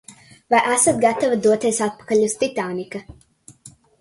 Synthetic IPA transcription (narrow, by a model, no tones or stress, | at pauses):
vajʔæsat̪ɡat̪avad̪uɔt̪eɛsat̪̚pḁkaʎʲust̪it̪aːnika